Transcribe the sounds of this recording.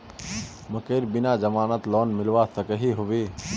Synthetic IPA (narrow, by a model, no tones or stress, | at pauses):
məkeːɾbɪnaːzəmaːnət̪loːnmɪlʋasəkəɦiɦoʋeː